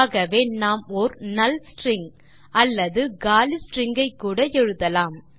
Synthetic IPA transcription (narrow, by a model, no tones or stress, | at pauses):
ɣɐʋeːnaːmɔɾnɐlsʈɾɪŋɡ | ʔɐlːɐðɯɡaːlisʈɾɪŋɡɐɪkːuːɽɐɛɻɯðɐlaːm